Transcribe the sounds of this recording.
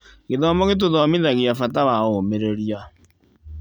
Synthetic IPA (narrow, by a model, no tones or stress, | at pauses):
ɣeðɔːmɔɣet̬oðɔmeðaɣeafataβaomeɾeɾja